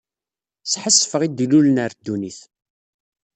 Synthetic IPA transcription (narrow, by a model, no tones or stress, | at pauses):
sħəsːfəʁid̪ilulnəɾd̪ːuniθ